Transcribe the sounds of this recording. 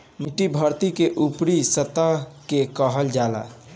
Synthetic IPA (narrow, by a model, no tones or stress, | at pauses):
miʈibʱəɾt̪ikeʔupɾisət̪akekəɦəld͡ʒala̰